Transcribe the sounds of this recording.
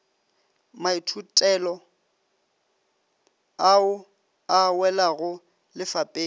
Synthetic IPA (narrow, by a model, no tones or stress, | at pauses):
maitʰutʼɛlɔ | aʊ | awɛlaɣʊ | lɪfapʼeː